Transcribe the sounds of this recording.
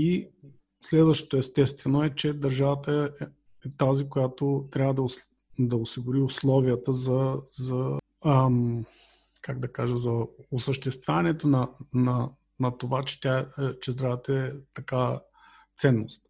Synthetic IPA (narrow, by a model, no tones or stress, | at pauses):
i | slɛd̪vəʃt̪o̥t̪oɛst̪ɛst̪vɛnoɛt͡ʃɛd̪ɐɾʒavət̪əɛ | ɛt̪azikojat̪ot̪ɾʲavəd̪ɐ | d̪ɐʊsiɡʊɾiʊslˠɔviət̪əzɐzɐ | əm | kaɡd̪ɐkaʒəzɐosəʃt̪ɛst̪vʲjanɛt̪onɐnɐ | nɐt̪ovat͡ʃɛ̥t̪ʲaɛt͡ʃɛzd̪ɾavət̪əɛt̪ɐka | t̪sɛnːost̪̚